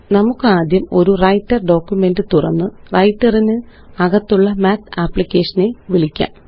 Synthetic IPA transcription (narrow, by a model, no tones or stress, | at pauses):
nɐmukːɨaːd̪jɐmo̞̰ɾurɐjtːɐrɖo̞ːkːume̞ndɨt̪urɐ̰nːɨ | rɐjtːɐrinɨɐɣɐt̪ːuɭːɐmaːt̪aːpːɭikʲːe̞ːʂɐne̞ʋiɭikʲːa̰ːm